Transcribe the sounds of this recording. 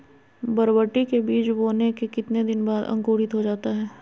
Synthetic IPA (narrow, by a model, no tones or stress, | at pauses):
bɐɾbəʈːikebiːt͡ʃboːnekekɪt̪ned̪ɪnbaːd̪ɐ̰̃ŋkoːɽɪt̪ɦod͡ʒaːt̪aɦɛː